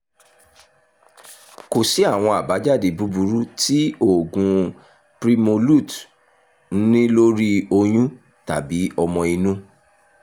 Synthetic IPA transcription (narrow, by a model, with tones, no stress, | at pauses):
ko˨si˨˦a˦˨w̃ɔ̃˧a˨ba˨˦d͡ʒa˦˨de˨bu˨˦bu˨˦ɾu˦ti˦o˦˨ɡũ˧ | pɾi˧mo˧lu˦˨t | n̩˦nĩ˦lo˦ɾi˦o˧j̃ũ˦ | ta˨bi˨˦ɔ˧mɔ̃˧i˧nũ˦